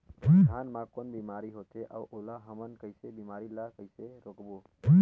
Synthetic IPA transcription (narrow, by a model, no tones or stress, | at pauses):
ɡʱanmãkonbimaɾiɦot̪eʔa̰uʔolaɦəmənkəjsebimaɾilakəɪseɾokbo